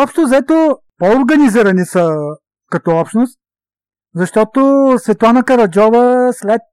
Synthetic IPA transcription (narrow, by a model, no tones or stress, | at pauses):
ɔpʃt̪ozɐɛt̪o | pɔʊɾɡɐniziɾɐnisə | kɐt̪ɔɔpʃnost̪̚ | zɐʃt̪ɔt̪osvɛt̪oanɐkɐɾɐd͡ʒɔvəslɛt̪̚